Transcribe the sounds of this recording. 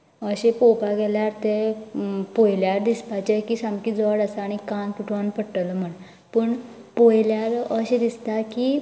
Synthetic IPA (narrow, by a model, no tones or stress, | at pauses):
əɕepopaɡɛljaɾt̪e | pojljaɾd̪ispat͡ɕekisamkid͡zɔɽasaːɽ̃ikant̪uʈʰʋanpəɽʈələm̤əɳ | pəɳ | pojljaɾəɕed̪ist̪aki